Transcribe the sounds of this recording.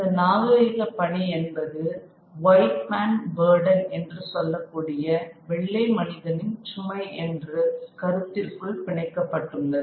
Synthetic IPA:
ɪnd̪ɐnaːɣɐɾɐːɣɐpɐɳiɛnbɐðɯ | ʋɐɪʈmaːnbeːɾɽɐnɛndrɯsɔlːɐkːuːɽɪjɐʋɛɭːɐɪmɐnɪðɐnɪnt͡ʃʊmɐɪʔɛndrɯkɐɾɯt̪ːɪrkɯɭʋɪɳɐɪkːɐpːɐʈːɯnd̪ɐðɯ

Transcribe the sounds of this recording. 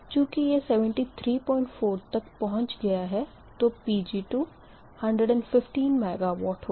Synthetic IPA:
t͡ʃjũːkijesɛːʋə̃ɳʈit̪ʰɾiːpɔ̃ːɪ̃ɳʈfoːɾt̪ɐkpɐɦʊ̃ɲt͡ʃɡɐjaɦɛ | t̪opiːd͡ʒiːʈuː | hɐ̃ɳɖɾəɖɛ̃ɳɖfɪfʈiːnmɛːɡaʋɔːʈho

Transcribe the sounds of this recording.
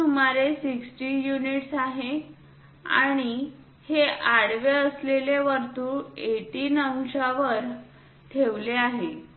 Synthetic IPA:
umaɾesiksʈijuniʈsaɦe | a̰ɽ̃i | heʔaɽʋeəsleleʋəɾt̪uːeʈiːnəwɕaʋəɾ | t̪ʰeʋleaɦe

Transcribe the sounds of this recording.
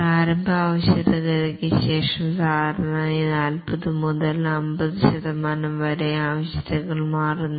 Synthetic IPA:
praːɾɐmbʱaːʋɐɕjɐðɐɣɐlekʲːɨɕe̞ːʂɐmd̪aːɾɐnɐinaːlpɐðɨmuðɐlɐmbɐðɨɕɐðɐmaːnɐmʋɐɾeaːʋɐɕjɐðɐɣɐɭmaːrunːu

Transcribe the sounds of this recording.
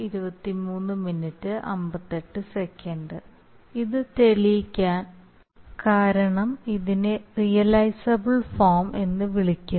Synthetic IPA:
iɾubɐt̪ːimuːnːɨminːitːɨʔɐ̰mbɐt̪ːe̞ʈːɨsekʲʰːɐɳɖɨ | iðɨt̪eɭikʲːaːn | kaːɾɐɳɐmiðinerijɐlɐjsɐbɨɭfoːrme̞nːɨʋiɭikʲːu

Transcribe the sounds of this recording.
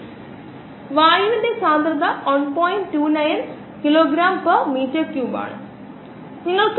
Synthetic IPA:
ʋaːjiʋindesaːnd̪ɾɐnd̪ɐʋɐnpoːjinʈʈːuːnɐjn | kiloːɡɾaːmpɐrmiːʈːɐkjuba̰ːɳɨ̰ | niŋːɐɭk

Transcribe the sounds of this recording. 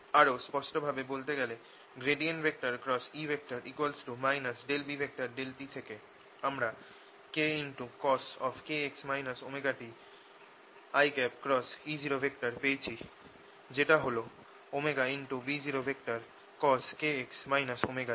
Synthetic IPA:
aɾospɔʃʈobʱabebolt̪eɡɛle | ɡɾeɖienʈbʱek̚ʈaɾkɾɔsibʱek̚ʈaɾʔikwalsʈumajnasɖelbibʱek̚ʈaɾɖelʈit̪ʰeke | amɾa | keinʈukɔsɔfkeeksmajnasomeɡaʈi | ajkɛpkɾɔsid͡ʑiɾobʱekʈaɾpejt͡ɕʰi | d͡ʑeʈaɦolo | omeɡainʈubid͡ʑiɾobʱekʈaɾ | kɔskeeksmajnasomeɡai

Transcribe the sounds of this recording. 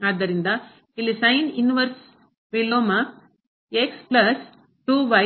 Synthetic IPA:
aːd̪ːɐɾind̪ɐ | ilːisɐjninʋɐɾs | ʋiloːmɐ | eksplɐs | ʈuːʋɐ

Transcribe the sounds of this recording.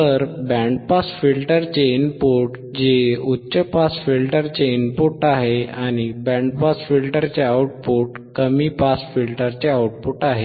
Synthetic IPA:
təɾbɛ̃ɳɖpasfilʈəɾt͡ɕeinpoʈ | d͡ʑeutːɕəpasfilʈəɾt͡ɕeinpuʈaɦeaɽ̃ibɛ̃ɳɖpasfilʈəɾt͡ɕeawʈ̚puʈ | kəmipasfilʈəɾt͡ɕeawʈ̚puʈaɦe

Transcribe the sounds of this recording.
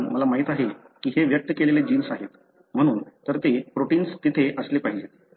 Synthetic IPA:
nməlamaɦit̪aɦe | kiːɦeʋjək̚t̪əkeleled͡ʑiːnsaɦet̪ | m̤əɽ̃uːnt̪əɾt̪epɾoʈinst̪it̪ʰeʔəslepaɦid͡ʑe

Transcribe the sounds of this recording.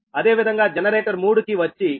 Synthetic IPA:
ɐd̪e̞ːʋid̪ʱɐŋɡaːd͡ʒɛnɐɾeːʈɐɾmuːɽukiʋɐt͡ʃːi

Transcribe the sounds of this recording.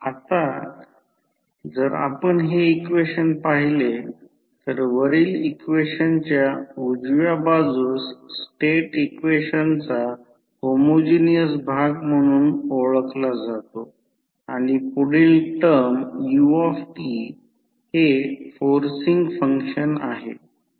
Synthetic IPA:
at̪a | d͡zəɾa̰pəɳɦeikʋeɕənpaɦile | t̪əɾʋəɾiːlikʋeɕənt͡ɕjaud͡zʋjabad͡zuːsːʈeʈikʋeɕənt͡sa | homod͡ʑinijəsbʱaɡm̤əɽ̃uːnoɭəklad͡zat̪o | aɽ̃ipuɽiːlʈəɾmjuɔfʈi | hefoɾsiŋɡfəŋkʂəna̰ɦe

